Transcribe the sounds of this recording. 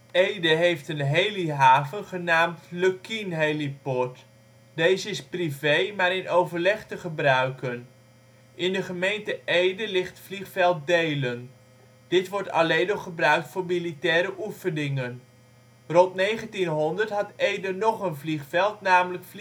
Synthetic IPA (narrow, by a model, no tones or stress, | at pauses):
ejdəɦejftənɦejliɦaːvənχənaːmtløkinɦejlipɔɹt | dejzəɪsprivejmaːɾɪnʔowvəɹlɛχtəχəbrœɥkən | ʔɪndəχəmejntəʔejdəlɪχtfliχfɛlˠt̚dejlən | d̥ɪtʋɔɹtɑ̰lejnɔχχəbrœɥk̚tfʊːɹmilitɛːɾəʔufənɪŋən | rɔntnejχəntinɦɔndəɹtɦɑtejdənɔχənvliχfɛlˠtnaːmələkf